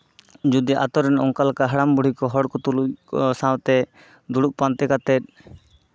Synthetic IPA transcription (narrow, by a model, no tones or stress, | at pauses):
d͡ʒud̪iʔa̰t̪ɔɾɛnɔŋkalakaɦaɽambuɽ̤ikɔɦɔɽkɔt̪ulujsãwt̪ɛ | d̪uɽuʔpant̪ɛkat̪ɛt̪̚